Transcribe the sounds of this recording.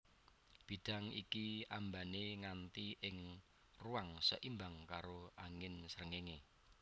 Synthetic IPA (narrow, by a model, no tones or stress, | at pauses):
b̥i̤d̥a̤ŋikiambaneŋant̪iʔɪŋ | ruaŋsə̰ʔimbaŋkaɾoaŋɪnsəɾəŋeŋe